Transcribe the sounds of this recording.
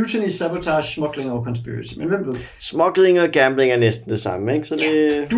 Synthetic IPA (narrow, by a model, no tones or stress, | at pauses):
ut͡sʰenisæbot͡sʰɑʃsmɒ̽ɡ̥leŋɒkʰɒnsʰb̥ḭɹɪt͡sʰimenʋem̰b̥ðˠ | smɒ̽ɡ̥le̝ŋɒ̽ɡ̥æmble̝ŋæɐnesd̥n̩d̥e̝sɑ̈məeɡ̥sɒ̽d̥e̝d̥